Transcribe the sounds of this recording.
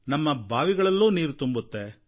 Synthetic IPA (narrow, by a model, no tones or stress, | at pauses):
nɐmːɐbʱaːʋiɡɐɭɐlːuːniːɾut̪umbut̪ːe